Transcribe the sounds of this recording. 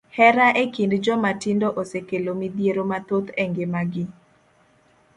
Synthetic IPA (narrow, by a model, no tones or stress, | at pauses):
hɛɾaʔekindd͡ʒɔmatɪndoʔosekelomid̪jeɾomat̪ot̪ɛŋɡemaɡɪ